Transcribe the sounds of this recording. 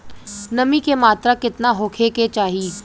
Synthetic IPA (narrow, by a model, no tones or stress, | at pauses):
nɐmikemaːt̪ɾakɪt̪naɦʊːkʰeket͡ʃaːɦiː